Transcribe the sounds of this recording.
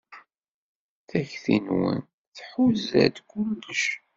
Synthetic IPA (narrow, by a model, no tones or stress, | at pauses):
θæçθḭnwə̰n | θħuzæ̰d̪kːʊlːəʃ